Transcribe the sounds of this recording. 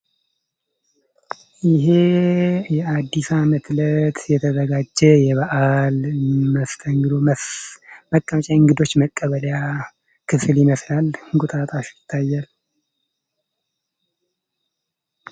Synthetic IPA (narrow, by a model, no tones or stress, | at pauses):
jɪɦe̞jɛad̪ːisamət̪lət̪jɛt̪ʰəzəɡad͡ʒːɛjɛβəʔalməft̪ʰəŋɡɨd̪o̞ | məkʼːəmət͡ʃʼaɨŋɡɨd̪o̞t͡ʃːməkʼːəβəlja | kʰɨfljɪməslalɡʼut̪ʼat̪ʼaʃjɪt̪ʰːajːal